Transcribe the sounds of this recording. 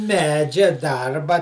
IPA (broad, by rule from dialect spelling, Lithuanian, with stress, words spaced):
ˈmʲæːd͡ʒʲɛ ˈdɐrbɐ